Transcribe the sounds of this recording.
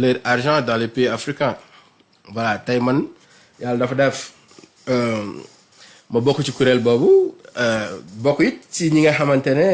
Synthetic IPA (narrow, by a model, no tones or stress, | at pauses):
leɾaɾʒãdãlepeafɾikã | walatajman | jaldɐfdɛf | mɐbokːut͡ʃikuɾɛlbobu | bokːujit̚t͡ʃiɲiŋɐɦamɐntɛne